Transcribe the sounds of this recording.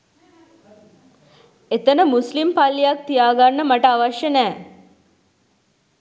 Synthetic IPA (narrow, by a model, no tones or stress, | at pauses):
et̪ənəmuslimpalːijak̚t̪ijaːɡanːəmaʈəaʋaʃjənɛː